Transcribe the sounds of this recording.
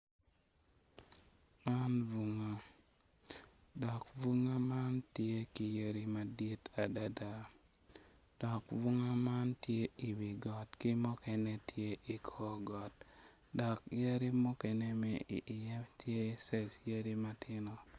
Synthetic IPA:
ma˦nvu˦ŋa˦ | dɔ˨kvu˦ŋa˦ma˦ntje˦ki˨jə˦ɾi˦ma˨di˦ta˨da˦da˨ | d̥ɔ˨kvu˦ŋa˦ma˦ntje˦i˨wi˨ɡɔ˨tkɪ˦mɔ˦kɛ˨ne˦tʰje˦ʔi˨kʰɔ˦ɡɔ˨t̚ | dɔ˨kjə˦ɾi˦mɔ˦kɛ˨nɛ˦mɛ˦i˨ʔjɛ˦tje˦sɛ˨sjə˦ɾi˦ma˦tɪ˦nɔ˨

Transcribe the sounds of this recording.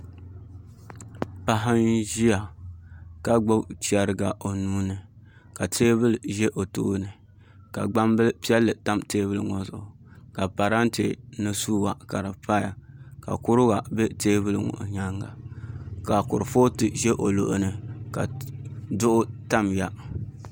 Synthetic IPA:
pa˨ɦa˦nʒi˦ja˨ | ka˨ɡ͡bʊ˦t͡ʃi˦ɛ˨ɾɨ˨ɡa˨ʔo˨nuː˦nɨ˨ | ka˨tʰeː˦bɨ˦lɨ˨ʒɛ˦ʔo˨to̰˦nɨ˨ | ka̰˨ɡ͡ba˦mbɨ˦lpi˦ɛ˦lːɨ˨ta˦mteː˦βɨ˦lɨ˨ŋɔ˨zʊ˨ʔʊ˨ka˨pa˨ɾa˦n˦te˨nɨ˦suː˦wa˨ka˨ɾɨ˨pa˦ja̰˨ka̰˨kʊ˦ɾʊ˦ɡa˨bɛ˦teː˦bɨ˦lŋʊ̰˨ʔɲa˦ŋɡa̰˨ka˨kʊ˨ɾɨ˨fo˦tɨ˨ʒɛ˦ʔo˨lo˨ʔʊ˨nɨ˨ka̰˨dʊ˦ʔʊ˦ta˦mja˦

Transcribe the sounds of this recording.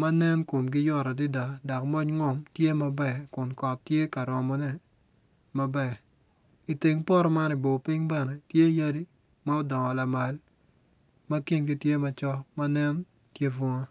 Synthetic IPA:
ma˦nɛ˦nko˨mɡɪ˦jɔ˦ɾa˨di˦da˨da˨kmɔ˦ɲŋɔ˦mtje˦ma˦bɛ˦˨kʊ˨nkɔ˨tːje˦ka˨ɾɔ˨mɔ˨nɛ˦ | ma˦bɛ˨ | i˨ti˨ŋpɔ˦ɾɔ˦ma˦ni˨bo˨pi˦ŋbɛ˦nɛ˨tje˦ja˦di˦ | ma˦ɔ˦dɔ˨ŋɔ˨la˨ma˨l | ma˦ki˦nɡi˦tje˦ma˦t͡ʃɔ˦ma˦nɛ˦n | tje˦fwɔ˦ŋa˦

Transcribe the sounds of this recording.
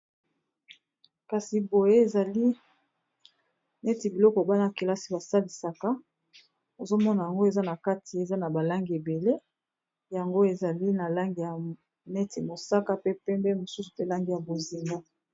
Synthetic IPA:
ka˨si˨bo˨je˦e˨za˨li˦ | nɛ˦ti˨bi˨lɔ˦kɔ˨ba˦na˦ke˨la˦si˦ba˨sa˦li˨sa˨ka˦ | o˨zo˦mɔ˦na˨ja˨ŋɡo˦e˨za˦na˨ka˦tʰi˨e˨za˦na˨ba˨la˦ŋɡi˨e˨be˨le˦ | ja˨ŋɡo˦e˨za˨li˦na˨la˦ŋɡi˨ja˨ | nɛ˦tʰi˨mo˨sa˦ka˦pe˦pɛ˦mbɛ˦mo˨su˦su̥˨pe˦la˦ŋɡi˨ja˨bo˨zi˨ŋɡa˦

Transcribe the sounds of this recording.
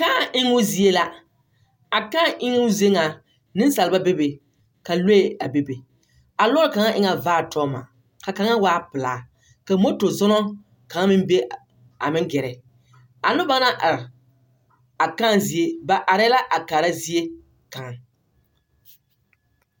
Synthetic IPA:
ka˦a˨ʔɪ˦ŋʊ˦zi˦e˦la˦ | a˨kaː˦ʔɪ˦ŋʊ˦ze˦ŋa˨ | nɪ˦n˦sa˨lba˦be˦be˨ | ka˨le˦e˨a˨be˦be˨ | a˨lɔ˦ɾɪ˦ka˨ŋa˦ʔɪ˦ŋa˨vaː˦˨tʰɔː˦ma̰˨ | ka˨ka˨˦ŋa˦waː˦pɨ˨laː˨ | ka˨mo˦to˨zɔ˦nɔ˦ | ka˨ŋa˦mɪ˦m˦be˦ | a̰˨mɪ˦ŋ˦ɡɛ˨ɾɛ˨ | a˨nʊ˦ba˦na˦ʔa˨ɾ | a˨ka˦˨nzi˦e˦ba˨ʔa˨ɾɛ˦la˦ʔa˨kaː˨ɾa˦zi˦e˦ | ka˨ŋ˨

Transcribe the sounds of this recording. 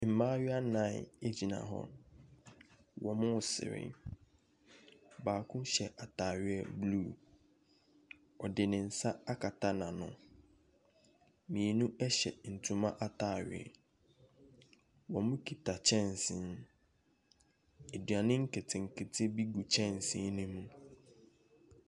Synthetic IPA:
m̩˨mãː˦ɥɪ˦a˦nã˦˨ɪ̰˨e˦d͡ʑi˨nã̰˨ɦɔ̰˦˨ | wɔ˨mʊ̃˦˨sɪ̰˨ɾɪ̰˦ | baː˨kʰʊ̃˦ɕɛ˨ʔa˨tʰaː˨ɥɪ˨˦ɛ˦blu˦˨ | ɔ˨dɪ˨nɪ̃˨n̩˨sa˦a˦kʰa˨tʰa˦nã˨nʊ̰̃˨ | mĩ˨e˨nũ˦ɛ˦ɕɛ̰˨n̩˨tʰũ˨mã˦ʔa˨tʰaː˨ɥɪ̰˨ɛ̰˨ | wɔ̃˨mʊ̃˦kʰi˨tʰa˨t͡ɕʰɛ̃˦˨n˨sɪ̃˨n | e˨du˨a˨nɪ̃˦ŋ̩˦kʰɪ˨tʰɪ˨ŋ̩˨kʰɪ˨tʰɪ˦bi˦ɡu˨t͡ɕʰɛ̃˦˨n˨sɪ̃˦nɪ̃˦mũ˦

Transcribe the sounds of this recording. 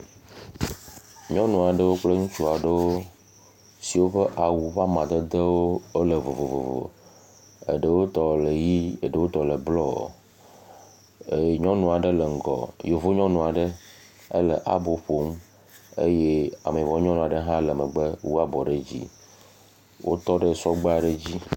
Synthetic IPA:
ɲɔ̃˦nũ˨a˨ɖə˦wo˦k͡ple˦ŋũ˦t͡ʃu˦a˨ɖə˦wo˦ | si˨wo˦ɸə˦ʔa˨wu˨ɸa˦mã˨d̪ə˦d̪ə˦wo˦o˦lə˨vo˨vo˨vo̰˨vo̰˨o̰˨ | ə̰˨ɖə˦wo˦t̪ɔ˨lə˨ji˦ə˨ɖə˦wo˦t̪ɔ˨lə˨blɔ˦˨ | e˨ɲɔ̃˦nũ˨a˨ɖə˦lə˨ŋ̩˨ɡɔ̰˨jo˨vo˦ɲɔ̃˦nũ˨a˨ɖə˦ | ə̰˦lə˨ʔa̰˨bo˨ɸo˨˦m | ḛ˦je˦a˨mẽ˨vɔ˨˦ɲɔ̃˦nũ˨a˨ɖə˦ɦã˦lə˨mə˨ɡ͡bə˦wu˦a˦bɔ˨ɖe˦d͡ʑḭ˦ | wʔo˦t̪ɔ˦ɖə˦sɔ˦ɡ͡ba˦a˨ɖə˦d͡ʑi˦

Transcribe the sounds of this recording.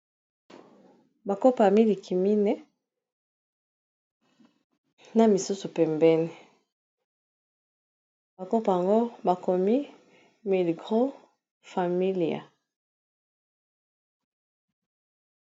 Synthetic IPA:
ba˨ko˦pa˨mi˦li˨ki˨mi˦nɛ˦ | na˨mi˨su˦su˨pɛ˨mbɛ˦ni˨ | ba˨ko˦pa˨ja˨ŋɡo˦ba˨ko˨mi˦ | mi˨lɡʁo˦ | fa˨mi˦li˨a̰˨

